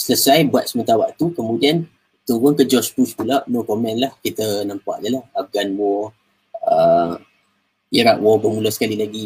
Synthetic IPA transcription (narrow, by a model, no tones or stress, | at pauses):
sələsajbuat̪̚səmə̃nt̪awaʔt̪ukəmũdian | t̪uɾʊŋkəd͡ʒɔspuspulaʔnokomɛ̃nlahkit̪ənampa̰ʔdəlahaf̚ɡanwɔ | ə | iɾak̚wɔbəmulasə̥kalilaɡi